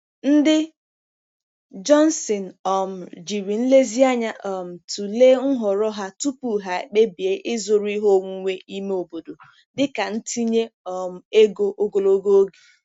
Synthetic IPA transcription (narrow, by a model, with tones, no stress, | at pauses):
n̩˦dɪ˦ | d͡ʒɔ˦n˦sɪ˨n̩˨ɔ˨m̩˨d͡ʒi˨ɾi˨n̩˦le˦zi˦a˦ɲa˦ʔɔ˨m̩˨tu˨le˦ŋ̩˦ɦɔ˨ɾɔ˦ɦa˦tu˦pu˨ɦa˨e˨k͡pe˦bi˨e˦ʔɪ˦zʊ˨ɾi˦ɦo˦˨ŋʷu˦ŋʷe˦i˦me˦o˨bo˨do˨ | dɪ˦ka˨n̩˦ti˦ɲe˦ɔ˨m̩˨e˦ɡo˦ʔo˦ɡo˨lo˦ɡo˦o˦ɡe˨